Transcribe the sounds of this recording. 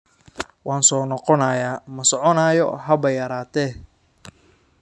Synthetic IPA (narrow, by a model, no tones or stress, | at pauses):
wɑːnsɔːnɔqɔnɐjaːmɐsɔʕɔnaːjɔ̰ɦɐbɐjɐɾaːt̪ʰɛː